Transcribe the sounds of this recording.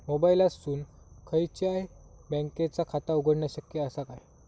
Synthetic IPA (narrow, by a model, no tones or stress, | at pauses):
mobailasuːn | kʰəjt͡ɕaebɛ̃ŋket͡sakʰat̪auɡʱəɽɳjaɕəkjəəsakaj